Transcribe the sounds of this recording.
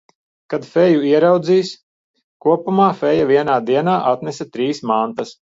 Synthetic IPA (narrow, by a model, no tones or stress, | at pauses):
kad̪fɛjuiɛɾawd̪ziːs | kuɔpumaːfɛjaviɛnaːd̪iɛnaːʔat̪nɛsat̪ɾiːsmant̪ɐs